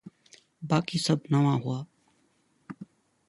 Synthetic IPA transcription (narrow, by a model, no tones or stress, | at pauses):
baːkisɐbnɐʋãɦuaː